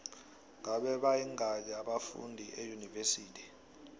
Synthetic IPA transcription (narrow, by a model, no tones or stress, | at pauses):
ŋaɓɛɓajiŋaɲaɓafṵndʱiʔejunivesiːtʰi̥